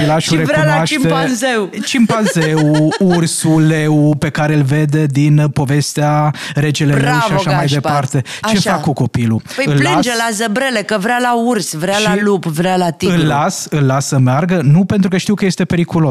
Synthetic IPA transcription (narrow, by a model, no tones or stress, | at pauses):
laʃuɾevɾunwaʃtmezewt͡ʃimpanzewursule̞wpe̞kaɾe̞ɨlve̞d̪e̞d̪inpo̞ve̞st̪eaɾe̞t͡ʃelelewʃviaʃamajd̪e̞ppart̪e̞ | t͡ʃe̞ʃfakkːuko̞pilupəjɨllːasd͡ʒelazəbɾelekəvɾalaursvɾealalupvɾalat̪iɨlːasɨlːasːəmearɡənupe̞nt̪ɾukəʃt̪iwkəje̞st̪e̞pe̞ɾikulo̞s